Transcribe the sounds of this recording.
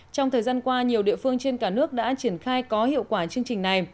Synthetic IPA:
t͡ɕɔ˧wŋ͡mt̪ʰəː˨˩jzaː˧nkwaː˧ɲi˨˩əwɗḭ˧˨əfɨ˧əŋt͡ɕe˧nkaː˧˩nɨ˦˥ək̚ɗa̰ː˧˥t͡ɕi˧˩ənxaː˧jkɔ˨˦hḭ˧˨əwkwaː˧˩t͡ɕɨ˧əŋt͡ɕï˨˩ŋ̟na˨˩j

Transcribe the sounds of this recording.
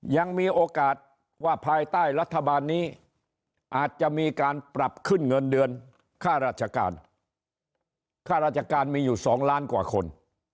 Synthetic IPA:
ja˧ŋmiː˧ʔoː˧kaː˨˩t̪̚ | waː˥˩pʰaː˧jt̪aː˥˩jɾa˦˥t̪ʰːa˧baː˧nːiː˦˥ | ʔaː˨˩t̪̚t͡ɕa˨˩miː˧kaː˧npɾa˨˩p̚kʰɯ˥˩nŋɤ˧ndɯ˧ən | kʰaː˥˩ɾaː˥˩t̪̚t͡ɕʰa˧ka̰ː˧n | kʰaː˥˩ɾaː˥˩t͡ɕʰa˧kaː˧nmiː˧juː˨˩sɔː˩˦ŋlaː˦˥nkwa̰ː˨˩kʰo̰˧n

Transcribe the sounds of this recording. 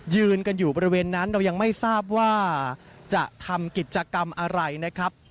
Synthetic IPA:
jɯː˧nka˧njuː˨˩bɔː˧ɾi˦weː˧nːa˦˥nɾa˧wja˧ŋma˥˩jsaː˥˩p̚waː˥˩t͡ɕa˨˩ʔt̪ʰa˧mki˨˩t̪̚t͡ɕa˧ka˧mʔa˧ɾa˧jna˦˥kʰɾa˦˥p̚

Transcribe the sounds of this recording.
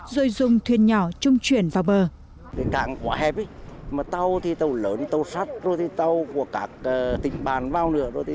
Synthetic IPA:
zo˧jzʊ˨ŋ͡mt̪ʰwi˨˩ənɲɔ˧˩˦t͡ɕʊ˧ŋ͡mt͡ɕwi˧˩ənvaː˨˩wɓəː˨˩ | kə˨˦ka̰ː˧˩ŋkwaː˨˦ɦɛ˧˩p̚i˨˦jmaː˨˩t̪a˧wt̪ʰi˨˩t̪ə˧˩wləː˨˦nt̪ə˧wsa˦˥t̚zo˧jt̪ʰi˨˩t̪a˧wku˧˩əkaː˦˥k̚əː˨˩t̪ï˧˨˩ŋ̟ɓaː˨˩nvaː˧wnɨ̰˧˥əzo˧˩jt̪ʰ

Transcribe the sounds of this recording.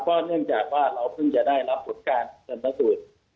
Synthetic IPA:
kɔː˥˩nɯ˥˩əŋt͡ɕaː˨˩k̚waː˥˩ɾa˧wpʰɯ˥˩ŋt͡ɕa˨˩daː˥˩jɾa˦˥pʰːo˨˩˦nkaː˧nsa˧nːa˧˥suː˨˩t̪̚

